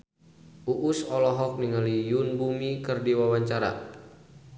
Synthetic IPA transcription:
ʔuʔusɔlɔɦɔk̚niŋalijunbumikɨrdiwawaɲt͡ʃaɾa̰

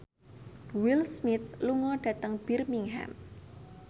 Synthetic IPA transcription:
wilsmiθluŋɔɖ̥ä̤t̪əŋb̥irmiŋɦa̰m

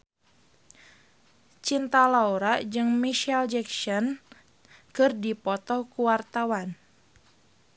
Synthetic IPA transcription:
t͡ʃint̪alauɾad͡ʒɨŋmiʃald͡ʒɛksɔn | kɨrdipɔt̪ɔhkuwart̪awan

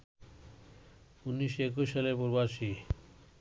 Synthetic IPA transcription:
unːiʃoek̬uʃaleɾpoɾbaʃi

